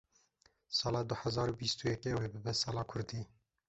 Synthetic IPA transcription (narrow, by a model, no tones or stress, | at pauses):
sɑːlɑːd̪ʊħɛzɑːɾuːbist̪uːjɛkeːweːbɨbɛsɑːlɑːkʰʊɾd̪iː